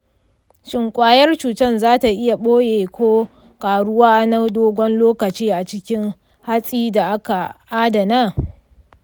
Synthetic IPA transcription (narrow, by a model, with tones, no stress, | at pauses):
ʃɪ˨ŋkʷʼaː˦jɐ˦rt͡ʃuː˨tɐ˦nzaː˦ta˨ʔɪ˦ja˨ɓoː˦jeː˨kʷoː˦ | kaː˨ɽʊ˦waː˦ʔa˦na˦doː˦ɡʷɔ˦nloː˦kɐ˨t͡ʃiː˦ʔa˨t͡ʃɪ˦kʲɪ˦ŋ | ha˦sʼiː˦da˨ʔa˦ka˨ʔaː˦dɐ˨naː˦